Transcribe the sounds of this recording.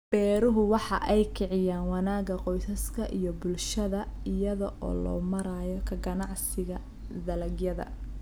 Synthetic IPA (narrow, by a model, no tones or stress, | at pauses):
b̥ɛːɾʊɦʊwɑħɑ̰ʔɛjkʰɪʕɪjaːnwɑnaːɡɐqɔjsɐskʰɐʔijɔbʊlʃɐðɐɪjɐðɐʔɔ̰ːlɔ̰ːmɐɾajɔkʰɐɡɐnɑʕsɪɣɐ | d̪ɐlɐɡjɐðɐ̰